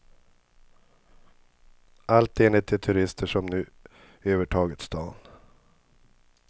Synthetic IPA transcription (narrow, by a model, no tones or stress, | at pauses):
alt̪eːnlɪt̪ʰːɪt̪ʰɵɾɪst̪ʰəʂɔmnʉ̟ː | øːvəʈʰɑːɡət̪st̪ɑ̰ːn